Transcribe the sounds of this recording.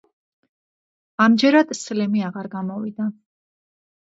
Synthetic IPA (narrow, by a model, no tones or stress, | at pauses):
amd͡ʒɛɾad̪̥slɛmiaʁaɾɡamɔvid̪a